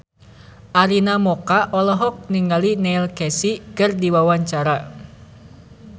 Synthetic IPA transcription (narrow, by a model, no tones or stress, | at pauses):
ʔaɾinamɔkaʔɔlɔɦɔk̚niŋɡalinɛilkɛsikɨrdiwawaɲt͡ʃaɾa